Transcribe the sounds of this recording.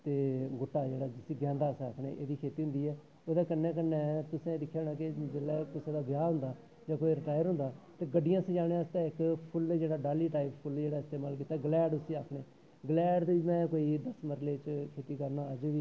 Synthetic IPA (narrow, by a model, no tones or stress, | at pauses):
t̪eːɡʊʈːaːd͡ʒeːɽaːd͡ʒɪsiːɡãːnd̪aːsa̰ːpʰɳḛːʔḛːd̪iːkʰeːt̪iːɦʊ̃nd̪iːɛː | oːd̪aːkənːɛ̃ːk̬ənːɛːt̪ʊsẽːd̪ɪkʰːjaːnãːkɪd͡ʒɪlːɛːkɪsẽːd̪aːbɪjaːɦʊ̃nd̪aː | d͡ʒãːkoːiːɾɪʈaːjəɾɦʊ̃nd̪aːt̪eːɡəɖɪjãːsɛ̃ːd͡ʒaːɽẽãst̪ɛ̃ːɪkpʰʊld͡ʒeːɽaːɖaːliːʈaːippʰʊld͡ʒeːɽaːɪst̪eːmaːlk̬iːt̪ːaːɡlɛːɖʊsiːaːpʰɳeː | ɡəlɛːɖd̪iːmɛ̃ːkoːiːd̪əsməɾleːt͡ʃkʰeːt̪iːkəɾnaːəd͡ʒʋiː